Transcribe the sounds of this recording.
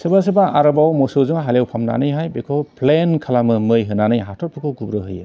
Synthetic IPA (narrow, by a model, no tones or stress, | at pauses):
sɯbas̬ɯbaaɾɯbawmɔsɯzɯŋaɦalewpʰamna̰nɯjɦajbekʰɔpʰlenkʰalamɯmɯjɦɯnanɯjɦatʰɔt̚pʰɯkʰɯwɡubɾɯɦɯjɯ̰